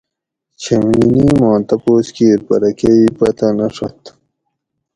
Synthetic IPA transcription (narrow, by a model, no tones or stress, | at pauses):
t͡ɕʰeminimɑːnt̪ɐpoːskiɾpɐɾɐkeipɐt̪ɐnɐʂɐt̪